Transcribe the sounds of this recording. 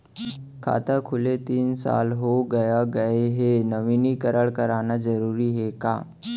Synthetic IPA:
kʰa̰t̪əkʰulet̪iːnsa̰lɦoɡəjaɡəeɦenəʋinikəɾəɭkəɾanad͡zəɾuɾiːɦeka̰

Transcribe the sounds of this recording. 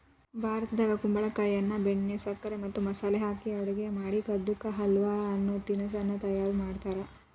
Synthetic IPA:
bʱaːɾɐt̪ɐd̪aːɡɐkumbɐɭɐkɐjɐnːɐbeɳːesɐkːɐɾemɐt̪ːumɐsaːleɦaːkiɐʋɐɽɐɡe̞maːɽikɐd̪ukːɐɦɐlʋaɐnːut̪inɐs̬ɐnːɐt̪ɐjaːɾumaːɖt̪aːɾe

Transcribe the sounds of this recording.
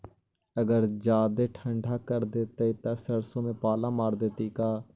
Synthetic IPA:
əɡəɾd͡ʒaːd̪eːʈʰəɳɖʱaːkəɾd̪eːt̪eit̪ãːsəɾsõːmẽːpaːlãːmaːɾd̪eːt̪iːkaː

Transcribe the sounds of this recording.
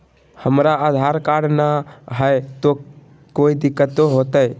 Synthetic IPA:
həmɾaad̪ʱaɾkaɖnaɦəet̪o | koid̪ɪkːət̪oɦot̪əj

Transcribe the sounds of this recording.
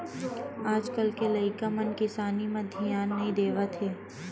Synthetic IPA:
aːd͡ʒkəlkelɐɪkamɐnkɪsaːnimɐ̃d̪ʱijaːnːɐɦĩd̪eːʋat̪ʰeː

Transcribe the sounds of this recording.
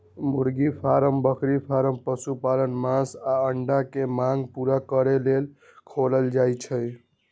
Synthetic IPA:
muɾɡipʰaɾəmbəkʰɾipʰaɾəmpəsupalənmãsaəɳɖakemãŋɡpuɾakəɾelel | kʰoləld͡ʒajt͡ʃʰə

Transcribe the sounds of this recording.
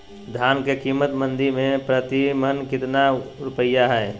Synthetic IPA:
d̪ʱjaːnkekiːmət̪mə̃nd̪iɾmẽpɾət̪imənkɪt̪naʊɾʊpəjːaɦɛː

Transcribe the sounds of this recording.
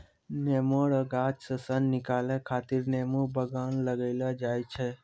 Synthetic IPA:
nemoɽəɡat͡ʃsəsənːikalekʰat̪iɾnemubəɡanləɡəɪlad͡ʒajt͡ʃʰe

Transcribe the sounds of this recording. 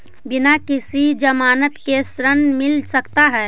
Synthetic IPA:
bɪnakɪsid͡ʒəmaːnət̪kesɾənmɪlsəkt̪aɦɛː

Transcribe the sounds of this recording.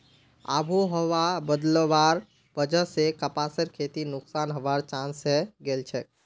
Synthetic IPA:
a̰ːbʱuɦəʋabəd̪ləʋaːɾ | bəd͡ʒəsekəpaːsəɾkʰeːt̪inʊksaːnɦəʋaɾt͡ʃãːnseɡeːlt͡ʃʰɛ

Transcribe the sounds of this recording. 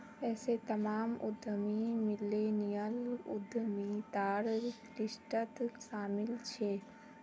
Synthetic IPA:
ɛːset̪ɐmaːmʊ̰d̪ʱəmimɪlenijəlʊ̰d̪ʱəmit̪aːɾkɾɪʃʈət̪ʃaːmɪlt͡ʃʰe

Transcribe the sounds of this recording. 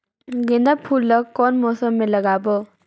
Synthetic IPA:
ɡẽnd̪apʰulːəkːɔnmɔːsəmːeləɡabə

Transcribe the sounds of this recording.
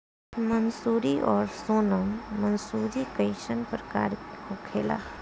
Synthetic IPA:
mənsuːɾiʔɔːɾsoːnəmːɐnsuːɾikəɪʃənpɾəka̰ːɾhokʰeːla̰ː

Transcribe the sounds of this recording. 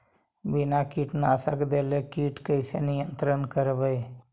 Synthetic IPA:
binakiːʈnasakd̪elekiːʈkəɪsenijənt̪ɾənkəɾʋəj

